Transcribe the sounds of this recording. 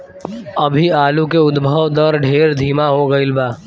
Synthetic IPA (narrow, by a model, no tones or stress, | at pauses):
ɐbʱiaːlukeʊd̪bʱəʋd̪əɾɖʱeːɾd̪ʱiːmaɦoɡɐɪlbaː